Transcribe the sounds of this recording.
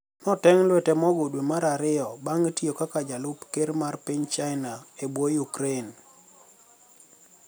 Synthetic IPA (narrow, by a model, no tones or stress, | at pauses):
nɔtɛŋlwɛtɛmɔɡodwemaɾaɾɪɔbaŋtiokakad͡ʒalʊpkeɾmarpiɲt͡ʃaɪnaebwojukɾen